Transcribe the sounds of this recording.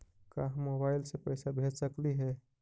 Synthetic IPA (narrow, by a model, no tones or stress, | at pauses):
kaːɦmoːbaːɪlsepəjsabʱeːd͡ʒsəkliɦɛː